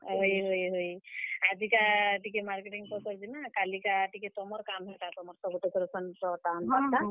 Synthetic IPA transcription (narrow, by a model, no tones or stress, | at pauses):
ɦojɦojɦojad͡ʒikaʈikɛmaɾkeʈiŋpɔsɔɾd͡ʒinakalikaʈikɛt̪ɔmɔɾkamɦɔʈat̪ɔmɔɾsɔɡuʈekɔɾesʰɔnpɔtanɦɔta